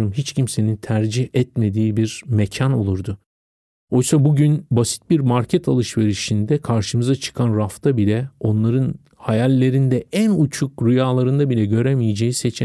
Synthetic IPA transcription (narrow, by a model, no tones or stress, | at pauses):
ɯmɦit͡ʃcʰimse̞nint̪ʰæɾd͡ʒihɛt̪me̞d̪iːibiɾmecʰano̞̰lˠuɾd̪ʊ | o̞jsabuɟynbasi̥t̪̚biɾmaɾcʰɛt̪ʰalˠɯʃve̞ɾiʃind̪ɛkʰaɾʃɯmɯzat͡ʃʰɯ̥kʰanɾaft̪ʰabilʲɛo̞nlˠaɾɯn | hajalʲːe̞ɾind̪ɛʔænut͡ʃʰukɾujaːlˠaɾɯnd̪abilʲɛɟø̞ɾemijed͡ʒe̞jise̞t͡ʃʰɛ